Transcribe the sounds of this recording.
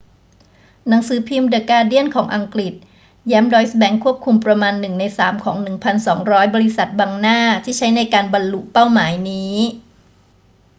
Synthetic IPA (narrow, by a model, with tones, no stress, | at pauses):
na˩˦ŋsɯː˩˦pʰiː˧mda˨˩kaː˧di˥˩ənkʰɔː˩˦ŋʔa˧ŋkɾi˨˩t̪̚ | jaː˦˥mdɔː˧jsbɛ˧˥ŋkʰu˥˩əp̚kʰu˧mpɾa˧maː˧nːɯ˨˩ŋna˧jsaː˩˦mkʰɔː˩˦ŋnɯ˨˩ŋpʰa˧nsɔː˩˦ŋɾɔː˦˥jbɔː˧ɾi˧˥sa˨˩t̪̚baː˧ŋnaː˥˩t̪ʰiː˥˩t͡ɕʰa˦˥jna˧jkaː˧nba˧nlu˨˩ʔpa˥˩wmaː˩˦jniː˦˥